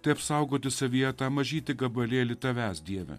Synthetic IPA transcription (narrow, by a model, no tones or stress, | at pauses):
t̪ɐɪɐpsɐʊɡoːt̪ʲɪsɐʋʲijɛt̪ɑːmɐʒʲiːt̪ʲɪɡɐbɐlʲeːlʲɪt̪ɐʋʲæːsd̪ʲiɛʋʲɛ̰